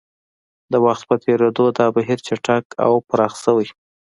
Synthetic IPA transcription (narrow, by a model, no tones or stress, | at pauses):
d̪əwaxt̪̚pət̪ʰeɾed̪od̪ɑbaɦiɾt͡ʃaʈakʰa̰wpəɾɑxsəwij